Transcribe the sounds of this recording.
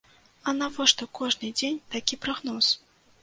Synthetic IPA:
ɐnavɔʂt̪ɔkɔʐnɨd͡zʲenʲt̪akʲipɾaɣnɔs

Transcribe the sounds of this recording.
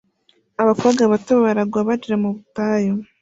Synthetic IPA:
aβafaɡaβatoβaβaɾaɡwaβad͡ʒiɾamuβutaːjo

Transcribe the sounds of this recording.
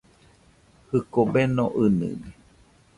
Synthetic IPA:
hɨkobenõʔɨnɨ̰ni

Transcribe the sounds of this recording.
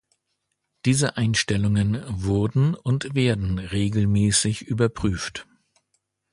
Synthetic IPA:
d̥iːzəʔaɪnʃtɛlʊŋənvʊɐdn̩ʊntv̥eːɐdn̩ʁeːɡl̩mɛːsɪçʔyːbɐpʁ̥yːft

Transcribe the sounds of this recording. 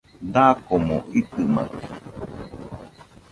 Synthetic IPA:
d̪akomõ̰ʔit̪ɨmã̰ɾ̰

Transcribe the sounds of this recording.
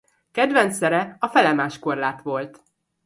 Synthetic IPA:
kɛd̪ʋɛnt̪sɛɾɛɒfɛlɛmaːʃko̞rlaːt̪ʋo̞lt̪

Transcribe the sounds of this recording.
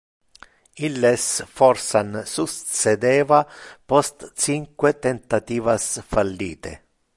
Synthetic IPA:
ilːesfɔrsansust̪sed̪ɛːvapɔst̪t͡ʃiŋkwet̪ent̪at̪iːvasfalːḭːt̪ḛ

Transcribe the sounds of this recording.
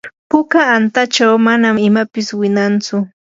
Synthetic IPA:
pʊkaːnt̪at͡ʃawmanamɪmapɪswɪnant͡sʊ

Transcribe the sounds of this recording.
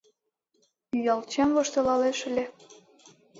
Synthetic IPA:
yjɑlt͡ɕɑmvoʃt̪ɤ̆lɑleʃə̆lʲe

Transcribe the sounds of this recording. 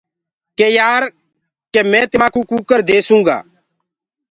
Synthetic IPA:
kejaːɾ | kemɛ̃ːt̪ɪmãːkukukəɾd̪eːsũːŋɡa̰ː

